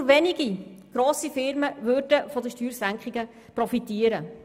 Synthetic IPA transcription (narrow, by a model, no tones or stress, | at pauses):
ʋɛnɪɡ̥iɡ̥ɾoːsifɪɾməʋøɾdəfɔd̪əʃtyːɾsæŋkχɪɡ̥ə | prɔfitiːəɾə